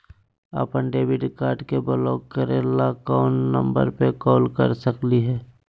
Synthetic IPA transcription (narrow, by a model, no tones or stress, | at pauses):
ə̰pənɖeːbɪɖkaːɾɖkebəlɔːkkəɾeːlakɔːnːə̰̃mbə̰ɾpekɔːlkə̰ɾsəkliɦɛː